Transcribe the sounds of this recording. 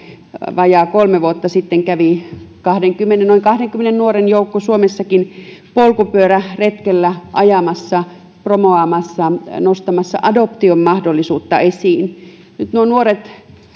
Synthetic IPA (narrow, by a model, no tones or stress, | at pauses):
ʋɑjɑːkolmeʋuot̪ːɑsit̪ːeŋkæʋikɑhdeŋkymːenenoiŋkɑhdeŋkymːenennuorenjoukːosuomesːɑkinpolkupyøræret̪kelːæʔɑjɑmɑsːɑ | promoɑːmɑsːɑnost̪ɑmɑsːɑ̰ʔɑdopt̪iommɑhdolːisuːt̪ːɑ̰esiːn | nyt̪nuonuoret̪